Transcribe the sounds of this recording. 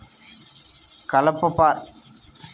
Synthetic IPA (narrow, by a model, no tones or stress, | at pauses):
kɐlɐpːɐpːaːɾ